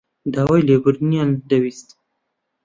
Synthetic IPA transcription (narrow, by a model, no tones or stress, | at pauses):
d̪awajleɡuɾniand̪awist̪